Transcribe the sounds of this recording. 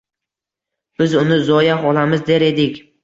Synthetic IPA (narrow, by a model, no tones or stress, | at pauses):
b̥ɪzʊnɪzɒjaɦɒlamɪzd̪e̞ɾe̞d̪ɪkʲ